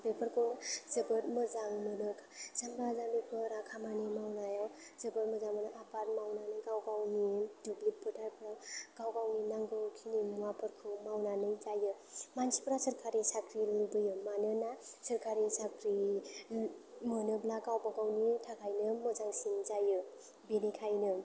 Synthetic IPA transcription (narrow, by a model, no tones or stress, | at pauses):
bepʰəɾkʰɯwnɯzəbətməzaŋmənɯkʰazambazamepʰɯɾakʰamanimawnajawz̥əbət̚məzaŋmɯnaʔapaɾ̚mawnanɯjɡawɡawnidublipʰɯtʰaɾpʰɾawɡ̥awɡawninaŋɡɯwkʰinimuapʰəɾkʰɯwmawnanɯjzajɯmansi̥pʰəɾasəɾkʰaɾisakʰɾilubɯjɯmanɯnasəɾkʰaɾisakʰɾi | mɯnɯblaɡawbaɡawnitʰakʰajnɯməzaŋsinzajɯ | benikʰajnɯ